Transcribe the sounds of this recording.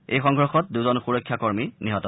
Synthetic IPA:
ejxɔŋɡɹɔxɔt̚duzɔnxuɹɔkʰːjakɔɹminiɦɔtɔ

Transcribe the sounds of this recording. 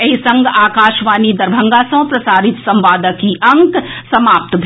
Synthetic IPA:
ɐɦisɐ̃ŋɡaːkaːʃʋaːnid̪ɐɾbʱɐ̃ŋɡaːsɐ̃pɾɐsaːɾɪt̪sɐ̃mʋaːd̪əkiʔɐ̃ŋksɐmaːp̚t̪bʱ

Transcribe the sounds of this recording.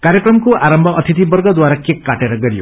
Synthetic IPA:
kaɾjʌkrʌmkoʔaɾʌmbʱʌʔʌt̪ʰit̪ibʌrɡʌd̪waɾakekːaʈeɾʌɡʌɾijo̰

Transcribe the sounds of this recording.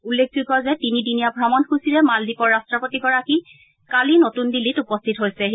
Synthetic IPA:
ulːek̚ʰzuɡʱɔzɛtinidinijabʱɹamɔnxusiɹɛmaldipɔɹastɹɔpotiɡɔɹaki | kalinotundilːitupɔstʰitɦojsɛ

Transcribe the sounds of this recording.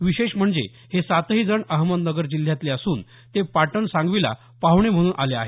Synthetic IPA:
ʋiɕeɕm̤əɳd͡zḛ | hesat̪ɦiːd͡zəɳəɦmənnəɡəɾd͡ʑil̤ːjat̪leəsuːn | t̪epaʈəɳsãŋɡʋila̰ | paʋɳem̤əɽ̃uːnʔalea̰ɦe

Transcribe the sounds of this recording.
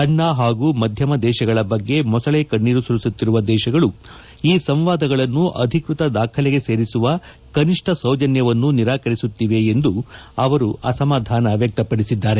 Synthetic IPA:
ɐɳːaːɦaːɡuːmɐd̪ʱjɐmɐd̪ɛːʃɐɡɐɭɐbɐɡːe̞mɔsɐɭeːkɐɳːiːɾusuɾisut̪ːiɾuʋɐd̪ɛːʃɐɡɐɭu | iːsɐmʋaːd̪ɐɡɐɭɐnːuʔɐ̰d̪ʱikɾut̪ɐd̪aːkʰɐlɛɡe̞se̞ːɾisuʋɐ | kɐniʂʈʰɐsɐwd͡ʒɐnjɐʋɐnːuniɾaːkɐɾisut̪ːiʋe̞ːnd̪uɐʋɐɾuʔɐsɐmaːd̪ʱaːnɐʋjɐk̚t̪ɐpɐɽisid̪ːaːɾe̞

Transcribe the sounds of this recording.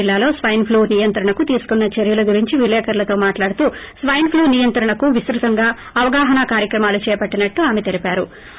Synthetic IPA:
ilːaːlo̞ːsʋɐjnpʰluːnijɐnt̪ɾɐɳɐkut̪iːsu̥kunːɐt͡ʃeɾjɐlɐɡuɾiɲt͡ʃiʋilɛːkɐɾlɐt̪o̞ːmaːʈlaːɽut̪uːsʋɐjnpʰluːnijɐnt̪ɾɐɳɐkuʋisɾut̪ɐŋɡaː | ɐʋɐɡaːɦɐnakaːɾjɐkɾɐmaːlut͡ʃɛːpɐʈːinɐʈːuaːmet̪e̞lipaːɾṵ

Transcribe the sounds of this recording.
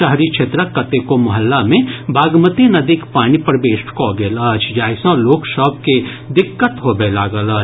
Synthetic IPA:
əɦɾit͡ʃʰet̪ɾakːət̪ekomɐɦəlːamẽbʱaːɡmət̪inɐd̪ikpaːɽ̃ipɾəbeːʃʈkɔɡeːlət͡ʃʰd͡ʒaːɪsɔ̃loːksəb̚ke | d̪ɪkːət̪ɦobelaːɡələt͡ʃ

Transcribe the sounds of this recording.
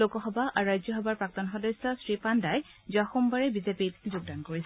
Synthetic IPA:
lokɔxɔbaʔaɹɹajzjɔxɔbaɹpɹak̚tɔnxɔdɔsɔsɹipandaj | zuaxumbaɹɛbizepitzuɡ̚dankoɹisɛ

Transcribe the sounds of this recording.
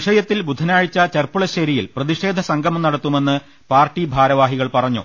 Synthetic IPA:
ʂɐjɐt̪ːilbud̪ʱːɐnaːɻit͡ɕːɐt͡ɕerpuɭɐɕɐɾijilprɐðiʂe̞ːd̪ʱɐsɐŋɡʱɐmnɐɽɐt̪ːume̞nːɨ | paːrʈːibʱaːɾɐʋaːɦiɣɐɭpɐrɐɲːṵ

